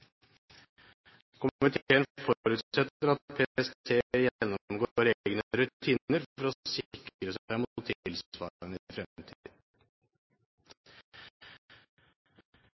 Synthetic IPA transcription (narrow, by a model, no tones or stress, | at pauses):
kʰʊmmɪt̪ʰeːənfɔɾʉt̪sɛt̪əɾɑt̪pʰeːɛst̪ʰeːjɛnːɔɔmɡoɾeɡənəɾʉt̪ʰiːnəɾfɔɾɔsɪkɾəsæɪmʊt̪ʰɪlsʋɑ̰ːənəɪfɾɛt̪ʰːḭːd̪